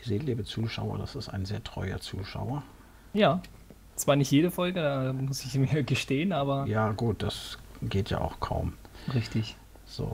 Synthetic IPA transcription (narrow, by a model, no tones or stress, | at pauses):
z̥eːliːbət͡suːʃa̰ʊɐ̰dasɪstaɪnzeːɐtʁ̥ɔʏɐ̰t͡suːʃa̰ʊɐ | jaː | t͡sv̥aːɐnɪçtjeːɾəfɔlɡədaːmʊsɪçmiːɐɡəʃteːənʔaːbɐjaːɡuːt̚d̥asɡ̥eːtja̰ːʔa̰ʊxkʰa̰ʊm | ʁɪçtɪç | z̥o̰ː